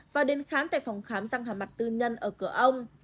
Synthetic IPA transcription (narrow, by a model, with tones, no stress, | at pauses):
vaː˨˩ɗe˨˦nxaː˨˦nt̪a̰ː˧˨jfɔ˨˩wŋ͡mxaː˨˦mzaː˧ŋɦaː˨˩ma˨˩t̚t̪ɨ˧ɲə˧nʔəː˧˩kɨ˧˩əʔə˧wŋ͡m